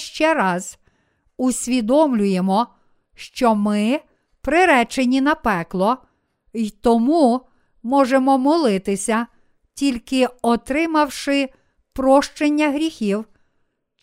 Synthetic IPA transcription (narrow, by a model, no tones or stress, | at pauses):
ʃt͡ʃɛɾɑz | usʲʋʲid̪ɔmlʲʊjemɔ | ʃt͡ʃɔmɪ | pɾɪɾɛt͡ʃenʲinɐpɛklˠɔ | jt̪ɔmu | mɔʒemɔmɔlˠɪt̪ɪsʲɐ | tʲilʲkɪɔt̪ɾɪmɐwʃɪ | pɾɔʃt͡ʃenʲːɐɦɾʲixʲiw